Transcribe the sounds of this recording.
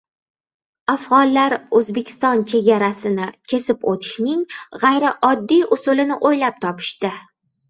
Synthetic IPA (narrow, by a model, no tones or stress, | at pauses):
afʁɒnlaɾɵzbekʲʰɪ̥st̪ɒnt͡ʃʰe̞ɡʲaɾasɪnɪkʲʰe̞sɪpot̪ʰɪ̥ʃnɪŋʁajɾɪʔɒd̪ːijʊsʊlɪnɪʔojlap̚t̪ʰɒpʰɪ̥ʃt̪ɪ